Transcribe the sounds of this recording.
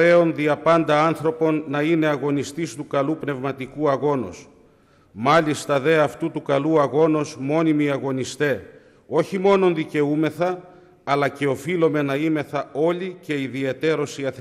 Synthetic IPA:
e̞o̞nðiɐpɐnd̪ɐɐnθɾo̞po̞nːɐine̞ɐɣo̞nist̪ist̪ukɐlupne̞vmɐt̪ikuɐɣo̞no̰s | mɐlist̪ɐðe̞ɐft̪ut̪ukɐluɐɣo̞no̞smo̞nimiɐɣo̞nist̪e̞ | o̞çimo̞no̞nðice̞ume̞θɐː | lɐce̞o̞filo̞me̞nɐime̞θɐo̞lice̞iðie̞t̪e̞ɾo̞siɐθ

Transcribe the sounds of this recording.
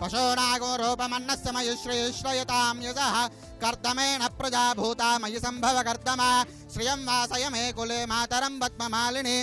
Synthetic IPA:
pɐʃoːnaːɡoːɾoːpɐmɐnːɐsjɐmɐjuʃɾiːʃɾɐjɐt̪aːmjɐsɐɦɐ̆ | kɐɾd̪ʱɐmeːnɐpɾɐd͡ʒaːbʱuːt̪aːmɐjisɐmbʱɐʋɐkɐɾd̪ʱɐmaː | ʃɾijɐmʋaːsɐjɐmeːkuleːmaːt̪ɐɾɐmpɐt̪̚mɐmaːlini

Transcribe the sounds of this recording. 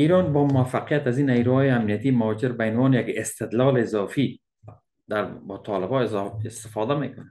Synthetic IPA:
iɾɔnbɔːmʊafaqijat̪azinajɾuhɔːjeamnijat̪imad͡ʒɪɾbaɪnwɔːnjakɪst̪ɪd̪lɔːleːzɒfi | d̪aɾbɔt̪ʰɔlɪbɒzɪst̪ɪ̥fɔd̪amḛkʊna

